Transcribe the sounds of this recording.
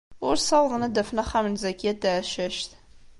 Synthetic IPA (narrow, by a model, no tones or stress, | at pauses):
ʊrsɐwʁənɐdɐfnɐχɐmnzɐkʲʰet̚daʃɐʃt̪ʰ